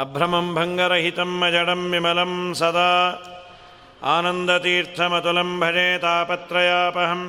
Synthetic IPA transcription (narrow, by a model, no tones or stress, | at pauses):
ɐbʱɾɐmɐmbʱɐŋɡɐɾɐɦit̪ɐmːɐd͡ʒɐɽɐmːimɐlɐmsɐd̪aː | aːnɐnd̪ɐt̪iːɾt̪ʰɐmɐt̪ulɐmbʱɐneːt̪aːpɐt̪ɾɐjaːpɐɦɐm